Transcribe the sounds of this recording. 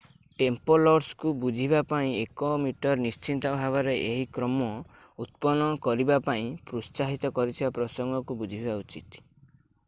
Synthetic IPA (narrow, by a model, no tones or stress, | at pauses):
ʈempɔlɔɾskubud͡ʒʱiβapaĩekomiʈɔɾnist͡ʃint̪ɔbʱaβɔɾeʔeɦikɾɔmɔ | ut̪̚pɔnɔkɔɾibapaĩpɾust͡ʃaɦit̪ɔkɔɾit̪ʰibapɾɔsɔŋɡɔkubud͡ʒʱibbaut͡ʃit̪